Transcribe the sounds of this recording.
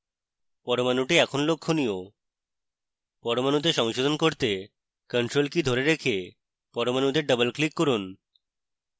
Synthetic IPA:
pɔɾomanuʈiɛkʰonlokʰːonio | pɔɾomanut̪̬eʃɔŋʃod̪ʱonkoɾt̪e | kəɳʈɾolkid̪ʱoɾeɾekʰe | pɔɾomanud̪eɾɖəbəlklikːɔɾun

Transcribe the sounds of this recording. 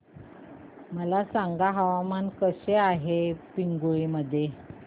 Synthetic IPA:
məlasaŋɡaɦaʋamankəɕeaɦepiŋɡuiməd̪ʱːje

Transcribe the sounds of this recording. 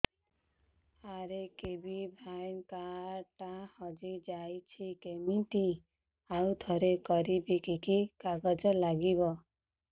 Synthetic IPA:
aɾekebibʱajnkaɾʈahɔd͡ʒid͡ʒajt͡ʃʰikemiʈi | awt̪ʰɔɾekɔɾibikikikaɡɔd͡ʒɔlaɡibɔ

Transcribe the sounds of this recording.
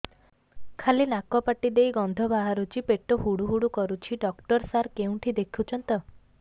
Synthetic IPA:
kʰalinakɔpaʈid̪ejɡɔnd̪ʱɔbaɦaɾut͡ʃipeʈɔɦuɽuɦuɽukɔɾut͡ʃʰiɖɔkʈɔɾsaɾkeũʈʰid̪ekʰut͡ʃʰɔnt̪ɔ

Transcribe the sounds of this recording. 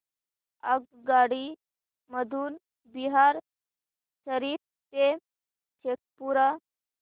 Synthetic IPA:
əɡ̚ | ɡaɽi | məd̪ʱuːn | biɦaɾ | ɕəɾiːɾ̚ | t̪e | ɕek̚puɾa

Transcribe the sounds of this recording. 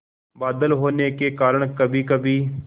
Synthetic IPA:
baːd̪əlɦoːneːkeːkaːɾəɳkəbiːkəbiː

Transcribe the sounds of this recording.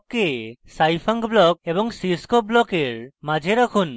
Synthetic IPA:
kːesajpʰaŋɡblɔk̚ebɔŋsiskɔblɔkeɾmad͡ʒʱeɾakʰun

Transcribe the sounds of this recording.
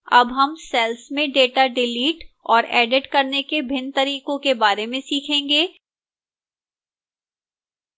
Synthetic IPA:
ɐ̰bɦɐmsɛːlsmẽɖeːʈaɖɪliːʈɔːɾɛːɖɪʈkɐɾnekebʱɪnt̪ɐɾiːqõkebaːɾemẽsiːkʰẽːŋɡeː

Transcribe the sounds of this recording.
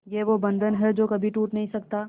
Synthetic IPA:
jeʋobə̃nd̪ʱənɦɛd͡ʒoːkɐbʱiʈuːʈnɐɦĩsɐkt̪aː

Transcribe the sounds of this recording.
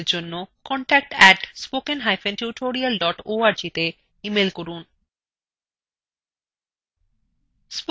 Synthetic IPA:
ɾd͡ʑonːokɔɳʈɛk̚ʈɛʈspokenɦajfenʈuʈʰoɾialɖɔʈoaɾd͡ʑit̪e | imelkoɾun | sp

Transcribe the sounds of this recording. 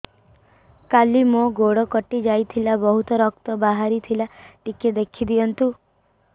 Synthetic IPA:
kalimoɡoɽɔkɔʈid͡ʒajt̪ʰilabɔɦut̪ɔɾɔkt̪ɔbaɦaɾit̪ʰilaʈiked̪ekʰid̪ijɔnt̪u

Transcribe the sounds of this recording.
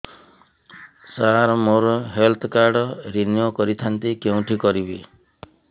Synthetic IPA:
saɾɔmoɾɔɦelt̪ʰɔkaɾɖɔɾinjokɔɾit̪ʰant̪ikeũʈʰikɔɾibi

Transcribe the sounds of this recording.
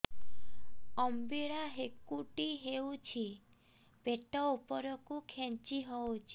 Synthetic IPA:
ɔmbiɾaɦekuʈiɦewt͡ʃʰi | b̥eʈɔupɔɾɔkukʰent͡ʃiɦɔwt͡ʃʰi̥

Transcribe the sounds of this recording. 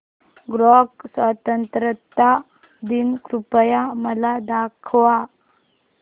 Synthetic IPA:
ɡɾɔksʋat̪ənt̪ɾət̪a | d̪inkɾupəjaməlad̪akʰʋa

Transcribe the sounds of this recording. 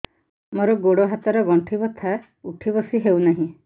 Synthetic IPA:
moɾɔɡoɽɔɦat̪ɔɾɔɡɔɳʈʰibɔt̪ʰa | uʈʰibɔsiɦewnaɦĩ

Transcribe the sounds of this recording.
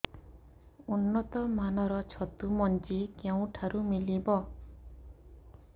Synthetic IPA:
unːɔt̪ɔmanɔɾɔt͡ʃʰɔt̪umɔnt͡ʃikew̃ʈʰaɾumilibɔ

